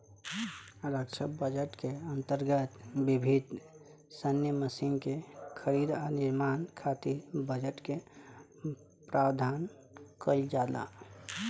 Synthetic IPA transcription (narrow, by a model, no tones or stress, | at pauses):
ɾəkt͡ʃʰəbəd͡ʒəʈkeənt̪əɾɡət̪bibʱid̪ | sənjəməsinkekʰəɾid̪aniɾmaːnkʰat̪iɾbəd͡ʒəʈke | pɾʔawd̪ʱan | kəld͡ʒala̰